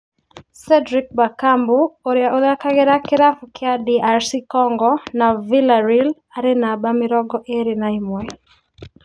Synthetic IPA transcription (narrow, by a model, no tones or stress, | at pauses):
sɛdɾik̚bakambuoɾjaʔoðakaɡɛɾakɪɾafukʰɪadiʔaɾsikɔŋɡɔnavilaɾil | aɾɪnabamɪɾɔɡɔʔeɾinaimwɛ